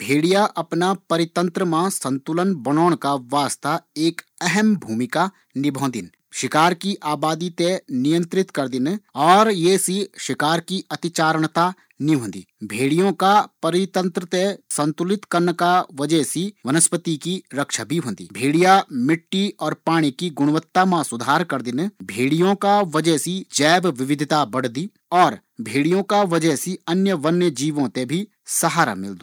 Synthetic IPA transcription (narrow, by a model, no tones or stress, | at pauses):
bʱeːɽijaʔɐpnapɐɾɪt̪ə̃nt̪ɾəmãsɐ̃nt̪ʊlənbɐnoːɽ̃kaʋaːst̪aeːk | ɛɦɛmbʱuːmɪka | nɪbʱõːnd̪ɪn | ʃɪkaːɾkiʔaːbaːd̪it̪enɪjə̃nt̪ɾɪt̪kɐɾd̪ɪnɔːɾjesiʃɪkaːɾkiɐt̪ɪt͡ʃaːɾəɳ̃t̪a | niɦõːnd̪ḭːbʱeːɽijõkapɐɾɪt̪ə̃nt̪ɾət̪esɐ̃nt̪ʊlɪt̪kɐɾnkaʋɐd͡ʒəɦsiʋɐnəspət̪ikiɾɐkʃabʱiɦõːnd̪ḭːbʱeːɽijamɪʈːiɔːɾpaːɽ̃ikiɡʊɽ̃ʋət̪ːamãsʊd̪ʱaːɾkɐɾd̪ɪnbʱeːɽijõkaʋɐd͡ʒəsid͡ʒɛːbʋɪʋɪd̪ʱɪt̪abɐɽ̤d̪iː | ɔːɾ | bʱeːɽijõkaʋɐd͡ʒəsiɐnjəʋɐnjəd͡ʒiːʋõt̪ebʱi | sɐɦaːɾa̰mɪ̰ld̪uː